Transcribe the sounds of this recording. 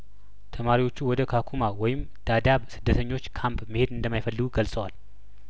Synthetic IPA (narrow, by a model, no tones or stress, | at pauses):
t̪ʰəmaɾiwo̞t͡ʃːuwɔd̪əkʰakʰumawɔjɪm | d̪̥ad̪aβsɨd̪ːət̪ʰəɲːo̞t͡ʃːkʰampməhe̞d̪ɨnd̪əmːajfəlːɨɡuɡəlsʼəwal